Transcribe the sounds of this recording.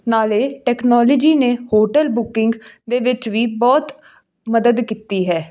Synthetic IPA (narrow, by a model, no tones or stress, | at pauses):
naːleːʈɛːknɔːləd͡ʒiːneːhoːʈəlbʊkɪŋɡd̪eːʋɪt͡ʃʋiːbɔːt̪ | məd̪əd̪kit̪iːɦɛː